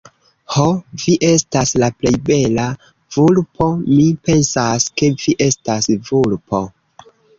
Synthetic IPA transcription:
hoviʔe̞staslaple̞jbe̞la | v̥ulpʰo̞mipe̞nsaske̞viʔe̞stasvulpʰo̞

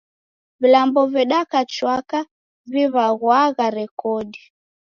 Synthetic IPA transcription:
vilambɔvɛɗakat͡ʃwaka | viβaɣwaɣaɾɛkɔɗi

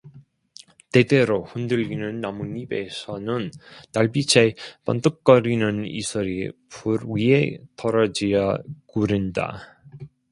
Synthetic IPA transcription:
te̞de̞ɾohundɯʎinɯnːamunibe̞sʰʌnɯntaɭbit͡ɕʰepa̰ntɯk̚k͈ʌɾinɯnḭsʰʌɾipuɾɥie̞tʌɾʌd͡ʑijʌkuɾɯnda̰

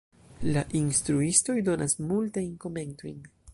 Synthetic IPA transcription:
laʔinstɾuisto̞jdo̞nasmultajnko̞me̞nto̞jn

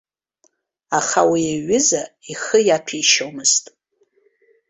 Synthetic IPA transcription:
aχawiaɥɪzaiχəjapʰiʃomɨstʼ

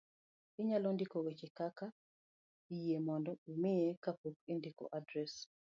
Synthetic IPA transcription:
ɪɲalɔndɪkɔwet͡ʃɪkaka | ijiemɔndɔumɪjekapok̚endɪkɔ̰ʔadɾɛs

